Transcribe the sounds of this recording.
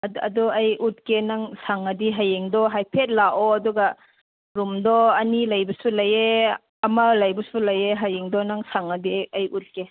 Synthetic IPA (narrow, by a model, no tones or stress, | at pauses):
ɐ̰dɔɐjʔut̚kenaŋsaŋɐdiɦajeŋdɔɦajpʰet̚laʔɔɐduɡa | ɾumdɔɐnilɐjbɔsulɐje | ɐmɐlɐjbusulɐjeɦajeŋdɔnaŋsaŋɐdiɐjut̚ke